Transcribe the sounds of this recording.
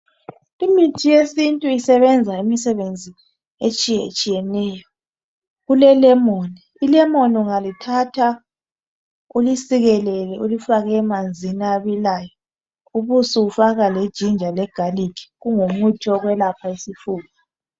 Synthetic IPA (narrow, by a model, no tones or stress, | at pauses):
imitʰijesintʼuisɛβɛnd͡zʱaimisɛβend͡zʱi | et͡ʃʼijɛt͡ʃʼijɛnɛːjɔ | ɣulɛlɛmoni | ilɛmonuŋalitʰatʰa | ulisiɣɛlɛlɛulifaɣɛːmand͡zʱinaaβilajɔ | uβusuufaɣaled̥ʒ̥ʱind͡ʒʱalɛɡ̥ʱalikʰi̥ɣuŋomutʰɔɣwɛlapʰaisifuːlɔ